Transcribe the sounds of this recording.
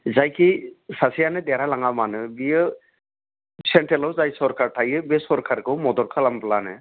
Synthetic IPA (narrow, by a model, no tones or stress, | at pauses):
zajkisasijanɯd̪ɛɾalaŋamanɯbijɯ | sɛɳʈelɔwzajsɔɾkʰaɾtʰajɯbisɔɾkʰaɾkɯwmɔd̪ɔɾkʰalamplanɯ̰